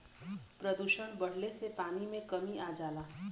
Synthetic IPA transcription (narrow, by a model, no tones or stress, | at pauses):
pɾəd̪uʃəɳ̃bəɽ̤lesepanimẽkəmiad͡ʒala